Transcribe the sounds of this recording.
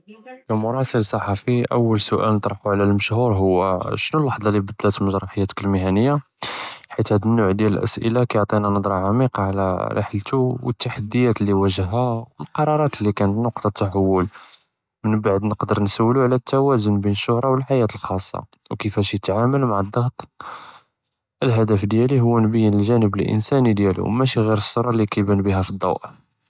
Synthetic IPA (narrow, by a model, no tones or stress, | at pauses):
kæmʊɾˤɑsələsˤːɑħɑfiʔə̰wːəlsʊʔæ̰lnət̪ˤɾˤħuʕlælməʃhuɾɦʊwːæʃnulɑħd̪ˤɑlibəd̪ːlæt̪məʒɾˤɑħəjːæt̪kəlmɪɦænəjːa | ħit̪hæd̪ənːuʕd̪jæləlʔə̰sʔə̰lakæjʊʕt̪ˤinænəd̪ˤɾˤɑʕamiqɑʕlæ̰ɾə̰ħlt̪uwə̰t̪ːaħad̪ːəjæt̪əlːiwæʒəhːæwəlqɑɾˤɑɾˤɑt̪lːikænət̪nʊqt̪ɑt̪ːaħawːʊl | mənbaʕd̪nəqd̪əɾˤnsəwːluʕlæt̪ʰːæwæzʊnbinəʃːʊhɾˤɑwəlħajæt̪əlxɑsˤːɑ̰ | wkəfæʃjət̪ʕaməlmaʕəd̪ˤːɑɣt̪ˤ | ʔəlɦæd̪æfd̪jæliɦʊwːnbəjːənəlʒænəbəlʔə̰nsænid̪jælṵwmæʃiɣiɾəsˤːoɾˤɑlːikæjbənbiɦæfid̪ˤːɑ̰wʔ